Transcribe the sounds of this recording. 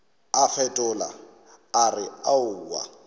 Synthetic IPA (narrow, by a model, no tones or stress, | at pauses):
afɛtʼʊla̰ | arɪaʊːwa̰